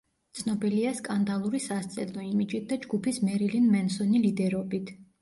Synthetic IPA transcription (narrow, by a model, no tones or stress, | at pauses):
t̪sʰnɔbiliaskʼand̪alˠuɾisast̪sʼɛlˠɔimid͡ʒit̪̚d̪ad͡ʒɡupʰismɛɾilinmɛnsɔnilid̪ɛɾɔbit̪ʰ